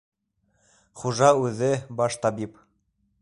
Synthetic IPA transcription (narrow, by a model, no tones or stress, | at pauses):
χuʒɑʉðɘbɑʃt̪ɑbip